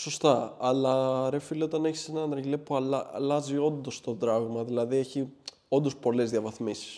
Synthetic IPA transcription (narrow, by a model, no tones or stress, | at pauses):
so̞st̪ɐɐlɐɾefileo̞t̪ɐne̞çi̥se̞nɐnɾɐʝlepuɐlɐ̰lɐzio̞nd̪o̞st̪o̞d̪ɾɐɣmɐðilɐðieçi | o̞nd̪o̞spo̞le̞zðjɐvɐθmisi̥s